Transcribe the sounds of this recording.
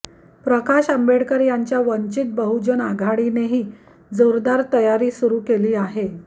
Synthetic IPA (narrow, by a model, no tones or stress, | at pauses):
pɾəkaɕəmbeɽkəɾjaɲt͡ɕjaʋəɲt͡ɕit̪̚bəɦud͡ʑənaɡʱaɽineɦiː | d͡zoɾd̪aɾt̪əjaɾiːsuɾuːkeliːaɦe